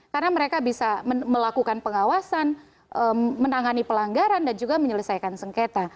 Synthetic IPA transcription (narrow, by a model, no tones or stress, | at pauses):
kaɾənaməɾekabisaməməlakukanpəŋawasan | ʔəmənaŋanipəlaŋɡaɾandand͡ʒuɡaməɲələsajkansəŋket̪a